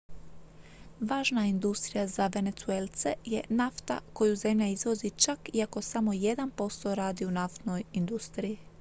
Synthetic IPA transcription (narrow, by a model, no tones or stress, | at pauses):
ʋaːʒnaind̪ust̪ɾijazaʋe̞ne̞t̪suelˠt̪se̞jenaft̪a̰ko̞juze̞mʎaizʋo̞zit͡ʃakiako̞samo̞je̞d̪anpo̞st̪o̞ɾaːd̪iunaft̪no̞jind̪ust̪ɾiji